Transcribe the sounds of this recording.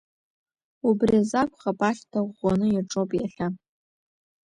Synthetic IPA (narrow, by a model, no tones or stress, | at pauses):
ubrizakʷʰʼχapʼaɬʲtʰaʁʷɔnɨjaʈ͡ʂʼopʼiɬʲa